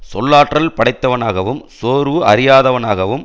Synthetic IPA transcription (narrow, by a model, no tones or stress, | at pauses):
sɔlːaːʈrɐlpɐɽɐɪt̪ːɐʋɐnaːɣɐʋɯmsoːɾɯʔɐɾɪjaːðɐʋɐnaːɣɐʋɯm